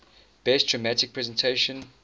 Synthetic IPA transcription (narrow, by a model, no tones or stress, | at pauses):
b̥ɛsdɹamætɪk̚pʰɹɛzɛ̃ntʰeɪʃə̃n